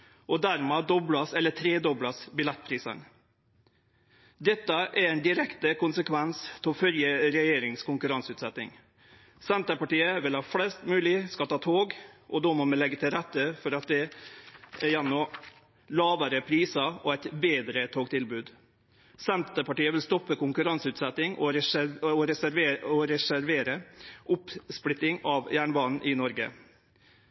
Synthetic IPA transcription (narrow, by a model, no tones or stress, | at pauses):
ʔɔd̪æɾmɛːd̪ɔblɑsɛlːət̪ʰɾeːd̪ɔblɑsbɪlɛt̪̚ːpʰɾiːsə̰n | d̪ɛt̪ːəʔæɾɛɪnd̪ɪɾɛkt̪əkʊnsəkʰʋɛnst̪ʰɪɔfœljəɾɛjeːɾɪŋskʊŋkʉɾɑnsʉːt̪sɛt̪nɪ̰ŋ | sɛnt̪əpɑʈiːəʋɪlɑt̪flɛːst̪mʉːlɪskɑlt̪ʰɑːt̪ʰoːɡʔɔd̪ɔmɔmɛnlɛɡːət̪ʰɪlɾɛt̪ːəfɔɾɑt̪̚d̪ɛ | ɛɾjænːɔ | lɑːʋəɾəpʰɾiːsɑɔæɪt̪beːd̪ɾət̪ʰoːɡt̪ʰɪlbʉːd̪ | sɛnt̪əpɑʈiːəʋɪlst̪ɔpːəkʊŋkʉɾɑŋsʉːt̪sɛt̪ɪŋɔɾɛɔɾɛæɾʋeːɔɾɛsæɾʋeːɾəʔʊpspɽɪt̪ːɪŋɑʋjæːɳəbɑːnn̩ʔɪnɔɾɡə̰